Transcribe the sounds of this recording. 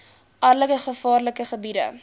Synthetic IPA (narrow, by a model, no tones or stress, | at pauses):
ʔɐrləkəχəfɑːrləkəχəbidə̰